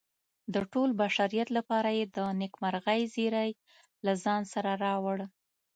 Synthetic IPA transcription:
d̪əʈolbaʃaɾijat̪lapɑɾajed̪ənɪkmaɾɣajziɾaj | lazɑnsaɾaɾɑwɽ

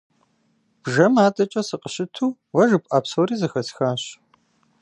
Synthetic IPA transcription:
b̥ʒɐmaːtʼɐt͡ʃʼɐsɨqʼəɕɪtʰuː | wɐʒɨpʼʔaːpsowriːzɨxɐsxaːɕ

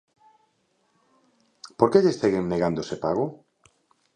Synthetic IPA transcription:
poɾkeʎest̪eɣeŋneɣand̪osepaɣo

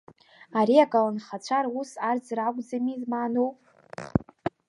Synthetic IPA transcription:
aɾiakʼalanχat͡ɕʷʰaɾwusard͡zraɡʷʼd͡zamizmaːnowpʼ

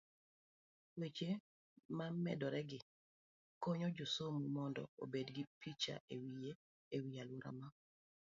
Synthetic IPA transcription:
wet͡ʃe | mamːɛ̰dɔɾɛɡɪ | koɲɔd͡ʒosomumɔndɔ̰obedɡɪpʰit͡ʃa̰ʔewije | ewialuɾa̰ma

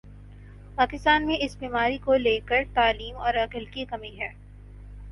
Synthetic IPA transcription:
paːkɪst̪aːnmẽʔɪsbiːmaːɾikoleːkəɾt̪aːliːmɔːɾɐkəlkikɐmiɦɛː

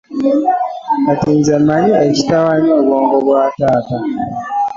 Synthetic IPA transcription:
atinzamaɲiet͡ʃi̥tawaɲowɔŋɡɔbwaːtata

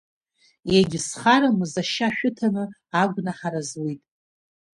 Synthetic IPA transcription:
jeɡʲɪsχaɾamɨzaʃaʃᶣʊtʰanɨaɡʷnaħaɾazwijtʼ

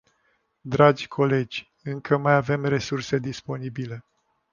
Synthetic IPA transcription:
d̪ɾad͡ʒʲkʰo̞le̞d͡ʒʲ | ɨŋkʰəmajave̞mre̞surse̞d̪ispo̞nibile̞

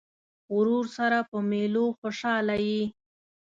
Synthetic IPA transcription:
ʊɾuɾsaɾapəmeloxoʃɑlawi

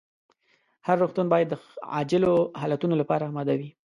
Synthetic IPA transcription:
haɾːoxt̪unbɑjad̪ːəɑ̰d͡ʒɪloɦɑlat̪unolapɑɾaːmɑd̪awi

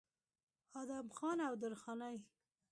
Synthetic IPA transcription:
ɑd̪amxɑnawd̪əɾxɑnaj

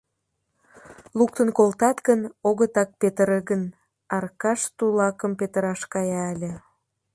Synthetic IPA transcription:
luk̚t̪ənkolt̪ɑt̪ɡənoɣət̪ɑk̚pet̪əɾəɣən | ɑrkɑʃt̪ulɑkəmpet̪əɾɑʃkɑjɑːlʲĕ

